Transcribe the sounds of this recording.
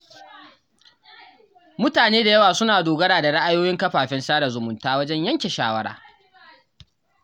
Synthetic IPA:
mʊ˦taː˨neː˦da˨jɐ˦waː˨sʊ˦naː˨doː˨ɡɐ˦ɽaː˨da˨ɽɪ˦ʔa˦joː˦jɪ˦ŋkɐ˦ɸaː˨ɸɛ˦nsaː˦da˨zʊ˨mʊ˨ntaː˦wɐ˦d͡ʒɛ˦ɲjɐ˦ŋkʲe˨ʃaː˦wɐ˦ɽa̰ː˨

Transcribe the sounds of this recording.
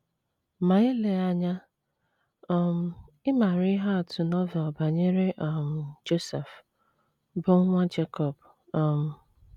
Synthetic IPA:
ma˨ɪ˦le˨a˨ɲa˦ | ɔ˨m̩˨ | ɪ˦ma˨ɾi˦ɦa˦a˨tʰʊ˨nɔ˦vɛ˨ɔ˨ba˨ɲe˦ɾe˦ʔa˨m̩˨d͡ʒo˦sɛ˨f | bʊ˦ŋ̩˦ŋʷa˦d͡ʒe˦kɔ˨b | ɔ˨m̩˨

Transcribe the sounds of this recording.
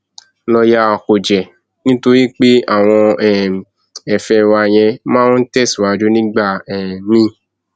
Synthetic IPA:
lɔ˧ja˦˧˨ko˨d͡ʒɛ˨ | nĩ˦to˧ɾi˦k͡pe˦a˦˨w̃ɔ̃˧ɛ˨ | ɛ˨fɛ˧wa˧j̃ɛ̃˧mãː˦n̩˦tɛ˦˨si˨wa˧d͡ʒu˦nĩ˦ɡ͡ba˦˨ɛ˨mĩ˦˨

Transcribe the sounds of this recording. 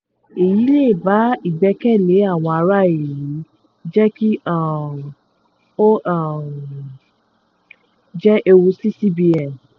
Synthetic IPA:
e˨ji˨˦le˦˨ba˨˦i˦˨ɡ͡bɛ˧kɛ˦˨le˨˦a˦˨w̃ɔ̃˧a˧ɾa˦e˨ji˨˦ | d͡ʒɛ˦ki˦a˦˨ | o˦˨ | d͡ʒɛ˦ʔe˧wu˧si˦si˦bi˧ɛ˨n

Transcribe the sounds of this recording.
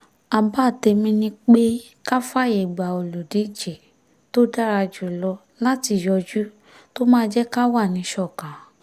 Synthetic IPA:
a˧ba˦˨te˧mĩ˧nĩ˦k͡pe˦ | ka˦fa˦˨je˨ɡ͡ba˨o˨lu˨di˨˦d͡ʒe˨ | to˦da˦ɾa˧d͡ʒu˨lɔ˧ | la˦ti˧˨jɔ˧d͡ʒu˦ | to˦mãː˦d͡ʒɛ˦ka˦wa˦˨nĩ˨˧˦ʃɔ˦˨ka˨˦

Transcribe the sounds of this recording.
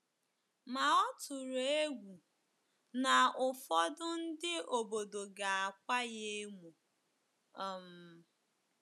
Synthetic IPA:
ma˨ɔ˦tʊ˨ɾe˦ɡʷu˨ | na˨ʊ˨fɔ˦dʊ˦n̩˦dɪ˦o˨bo˨do˨ɡa˨a˨kʷa˦je˦mu˨ | ɔ˨m̩˨

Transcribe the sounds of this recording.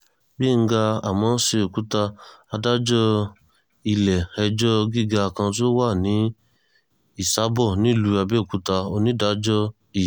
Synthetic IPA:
ɡ͡be˦˨ŋ̩˦ɡa˧a˨mɔ̃ː˨˦se˧o˨ku˦ta˧a˧da˦d͡ʒɔ˦ | i˧˨lɛ˨ɛ˧d͡ʒɔ˦ɡi˦˨ɡa˧˨kã˧t̬o˦wa˦˨nĩ˨˦ | i˦˨sa˦bɔ˦˨nĩ˦˨lu˧˦a˧bɛ˦o˨ku˨˦ta˧o˧nĩ˦da˦d͡ʒɔ˦ | i˦˨

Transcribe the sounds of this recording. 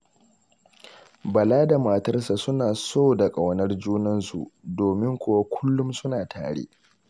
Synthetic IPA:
bɐ˨laː˦da˨maː˨tɐ˦rsa˨sʊ˦naː˨soː˦da˨kʼɐ˨wnɐ˦rd͡ʒuː˦nɐ˦nsṵ˨ʔdoː˨mɪ˦ŋkʷʊ˨wa˦kʷʰʊ˦lːʊ˦msʊ˦naː˨tʰa̰ː˨ɽḛ˦ʔ

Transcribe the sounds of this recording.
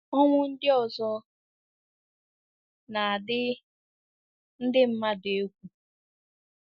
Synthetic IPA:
ɔ˦ŋʷʊ˦n̩˦dɪ˦ɔ˨zɔ˦ | na˨dɪ˦ | n̩˦dɪ˦m̩˦ma˦de˨e˦kʷu˨

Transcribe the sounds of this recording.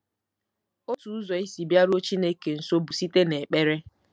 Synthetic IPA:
o˦tu˨u˦zɔ˨i˦si˨bja˦ɾo˦t͡ʃi˦ne˦ke˨n̩˨so˦bu˨si˦te˦ne˨k͡pe˦ɾe˦

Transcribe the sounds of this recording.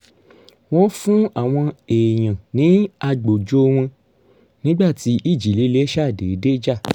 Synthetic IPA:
w̃ɔ̃˦fũ˦a˦˨w̃ɔ̃˧e˨j̃ã˨nĩ˨˦a˧ɡ͡bo˨d͡ʒo˦˧w̃ɔ̃˧ | nĩ˦ɡ͡ba˦˨ti˨˦ʔi˦˨d͡ʒi˨˦˨le˨˦le˦ʃa˦˨de˨˦de˦d͡ʒa˦˨

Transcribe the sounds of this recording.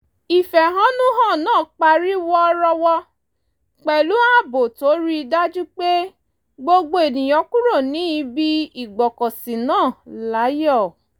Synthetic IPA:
i˨fɛ˨ɦã˨˦nũ˦ɦã˦˨nãː˦˨k͡pa˧ɾi˦wɔ˦ɾɔ˧wɔ˦ | k͡pɛ˨lu˨˦ã˦˨bo˨to˨˦ɾi˦i˧da˦d͡ʒu˦k͡pe˦ | ɡ͡bo˧ɡ͡bo˧e˨nĩ˨j̃ɔ̃˧kũ˦ɾo˦˨nĩ˨˦i˧˦bi˦i˦˨ɡ͡bɔ˨kɔ̃˨sĩ˨nãː˦˨la˨˦jɔ˦˨

